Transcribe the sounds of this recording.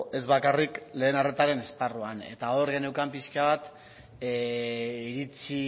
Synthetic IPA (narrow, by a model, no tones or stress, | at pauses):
e̞zβakarikle̞ːnare̞t̪aɾe̞ne̞sparuane̞t̪ao̞ɾɣenewkampiskaβat̪ | iɾit͡si